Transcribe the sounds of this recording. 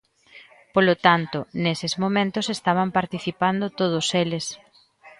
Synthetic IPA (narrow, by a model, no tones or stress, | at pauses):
polot̪ant̪ʊnesɪzmomẽnt̪ʊsest̪aβ̞ampaɾt̪iθipand̪ʊt̪oð̞ʊseles